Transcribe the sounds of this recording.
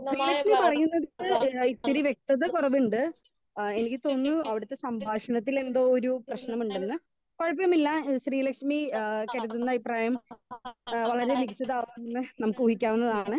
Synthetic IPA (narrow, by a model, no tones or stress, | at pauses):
ɕriːlɐkʂmipɐrɐjunːɐðiʈːɨit̪ːiɾiʋje̞k̚t̪ɐðɨkurɐʋuɳɖɨ | enikʲːɨt̪o̞ːnːuɐʋiɽɐt̪ːe̞sɐmbʱaːʂɐnɐt̪̬ːile̞nd̪o̞ːoɾuprɐɕnɐmuɳɖenːɨ | kɐɻɐpːɐlɐmilːaɕriːlɐkʂmikɐɾuðunːɐbʱipːraːjɐm | ʋɐɭɐɾe̞nikit͡ɕːɐðaːʋnnːɨnɐmukːɨuːɦikʲːaːʋunːɐðaːɳɨ